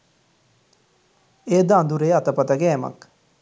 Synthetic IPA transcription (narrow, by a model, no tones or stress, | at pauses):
eːd̪aːnd̪uɾeːɐt̪ɐpɐt̪ɐɡɛːmɐ̰k